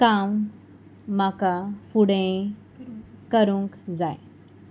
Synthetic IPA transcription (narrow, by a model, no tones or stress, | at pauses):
kamː | akafuɽẽ | kəɾũŋkd͡zaj